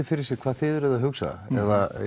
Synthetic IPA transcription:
ɪfɪɾɪ̥sjɛ̥kʰv̥aðθɪðɾʏðaɦʏksa̰ɛ̰ða

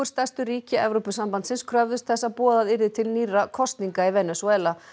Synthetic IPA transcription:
ʏɾ̥st̪ast̪ʏɾiːcɪɛvɾɔpʏsampant̪sɪnskʰɾœvðʏst̪θɛsːaðpɔːðaðɪɾðɪt̪ʰɪlniːrakʰɔst̪niŋkaivɛnɛsɛːla

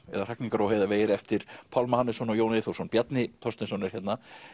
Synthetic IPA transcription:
ɛ̰ðaɾrahkniŋkaɾawɦeːjðaveːjɪɾɛft̪ɪɾ̥pʰawlmahanɪsɔnɔjoːwnɪθuwsɔnpjat̪nɪt̪ʰɔst̪nɪsɔwnɪɾ̥çɛt̪na

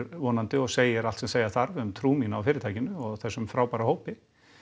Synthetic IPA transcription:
ɾvɔːnant̪ɪɔɣseːjɪɾalt̪sɛmseːjaθaɾvmt̪ʰɾuːminawfɪːɾɪt̪ʰaːjcɪnʏɔɣθɛsːʏmfɾaːwpaɾahoːwpɪ

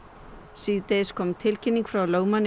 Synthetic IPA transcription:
siːt̪ejskʰɔmt̪ʰɪlcʰɪnːiŋkfɾawloːwman

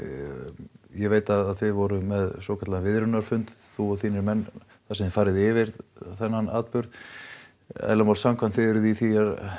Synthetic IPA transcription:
jɛveːjt̪aðaðθɪðvɔɾʏmɛðsɔːkʰḁɾt̪laðnvɪðɾʏnaɾ̥fʏnt̪θuɔθiːnɪɾmɛnː | θasɛmðɪfaːɾɪðɪvɪɾθɛnːana̰ːt̪pʏɾð | ɛ̰ðlamawlsamkʰvant̪fɪðʏɾʏðiθiaɾ

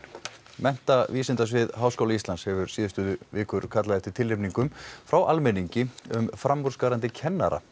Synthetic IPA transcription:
mɛn̥t̪aviːsɪnt̪as̬vɪðɦaːwskowlaist̪anshɛvʏɾ̥siːðʏst̪ʏːðʏvɪːkʏɾ̥kʰat̪laðɛft̪ɪɾ̥t̪ʰɪlːɪpniŋkʏmfɾawʔalmɛniɲcɪʏmfɾamːuɾskaːɾant̪ɪcʰɛnːa̰ɾa̰

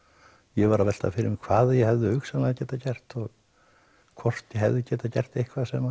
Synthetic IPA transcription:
jɛvaɾavɛl̥t̪a̰fɪɾɪmɪkʰv̥aːðajɛhɛvðʏʏksalaðacɛːt̪acɛr̥t̪ɔɣ | kʰvɔr̥t̪jɛɦɛvðʏcɛːt̪acɛ̰r̥t̪ejhkʰvasɛma

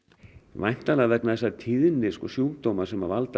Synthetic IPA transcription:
vajm̥t̪alavɛknaðɛsat̪ʰiːðɪnːɪskɔsjuːwkt̪oːwmasɛmavalt̪

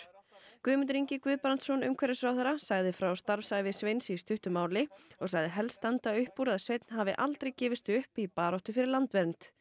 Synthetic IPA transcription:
kʏːmʏnt̪ʏɾiɲcɪkvʏðpɾant̪sɔnʏmkʰɛɾɪsvɾawθɛɾasaɣðɪfɾawst̪aɾvsaːjvɪsvejnsist̪ʏht̪ʏmaːwlɪɔɣsaɣðɪɦɛlst̪ant̪aœɥhpuɾaðsvejt̪nɦaːvɪʔa̰lt̪ɾejcɛːvɪst̪ʏhpipaːɾɔht̪ʏfɪɾɪɾlant̪vɛɾnt̪

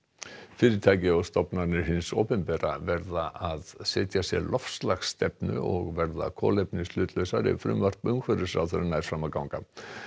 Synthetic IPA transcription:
fɪːɾɪɾt̪ʰaːjcɪɔwst̪ɔpnanɪɾɦɪnsoːpɛnpɛːɾa̰vɛɾðaʔaðsɛːt̪jasjɛ̰ɾlʔɔfslaxst̪ɛpnʏ̰ɔɣvɛɾða̰kʰɔ̰ːlepnɪslʏːt̪lœɥsaɾɪ̰fɾʏ̰mvar̥t̪ʏmkʰvœɾʏsɾa̰wθɛɾɪnaːjɾ̥fɾamakawŋka̰

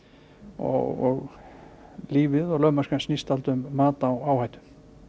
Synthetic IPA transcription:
ɔ̰ɣɔ̰ɣ | liːvɪðɔɣlœmaskansnist̪alt̪ʏmːaːt̪aːwawhajt̪ʏ̥m

